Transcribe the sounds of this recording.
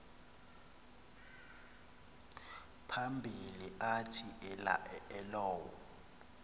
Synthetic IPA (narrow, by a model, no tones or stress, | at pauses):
pʰambʱiliʔatʰiʔɛla̰ʔɛɛlɔːwɔ̰